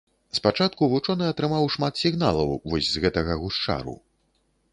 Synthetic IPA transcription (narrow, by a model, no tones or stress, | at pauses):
spat͡ʂat̪̚kuvut͡ʂɔnɨɐt̪ɾɨmawʂmat̪sʲiɣn̪alˠɐ̰wvɔsʲzɣɛt̪ɐɣɐɣuʂt͡ʂa̰ɾṵ